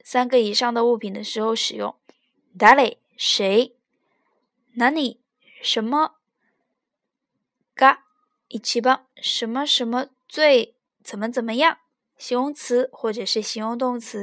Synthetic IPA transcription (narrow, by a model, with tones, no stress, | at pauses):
sa˥nɡə˧i˨˩ʂɑ˥˩ŋd̪ə˩u˥˩pʰi˨˩nd̪ə˦ʂɻ̩˧˥xo˥˧ʊʂɻ̩˨˩jʊ̰˥˩ŋ˩ | t̪a˧˥le˨˩ɪ | ʂe˧˥ɪ | na˧˥ni˨˩˦ | ʂə˧˥nmə˧ | ka˥ | i˨˩t͡ɕʰi˧˥pɑ˥ŋʂə˧˥nmə˧ʂə˧˥nmə˧ | t͡swe˥˩ɪ | t͡sə˨˩nmə˦t͡sə˨˩nmə˦jɑ˥˩ŋ | ɕi˧˥ŋʊ˥ŋt͡sʰɹ̩˧˥xwɔ˥˩ʈ͡ʂɤ˨˩ʂɻ̩˥˩ɕi˧˥jʊ˥ŋt̪̬ʊ˥˩ŋt͡sʰɹ̩˧˥